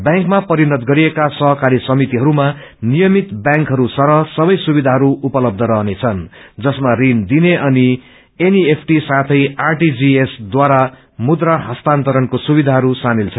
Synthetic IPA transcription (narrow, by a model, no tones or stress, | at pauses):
bjãŋkmapʌɾinʌd̪ɡʌɾiekasʌɦʌkaɾisʌmit̪iɦʌɾuma | nijʌmit̪bjãŋkɦʌɾusʌɾʌsʌbʌjsubid̪ʱaɦʌɾuupʌlʌb̚d̪ʱʌɾʌɦnet͡sʰʌnd͡zʌsmarind̪ineʔʌni | eniepʰʈisat̪ʰʌjarʈid͡ziesd̪waɾa | mud̪raɦʌst̪ant̪ʌɾʌnkosubid̪ʱaɦʌɾusamilt͡sʰʌn